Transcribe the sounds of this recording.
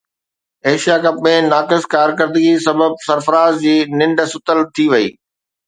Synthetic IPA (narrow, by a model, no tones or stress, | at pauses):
eːʃijakɐp̚mẽnaːkɪskaːɾkəɾd̪ɡisɐbəb̚sɐɾfəɾaːzd͡ʑiːnɪ̃ɳɖsʊt̪əlt̪ʰiʋɐḭː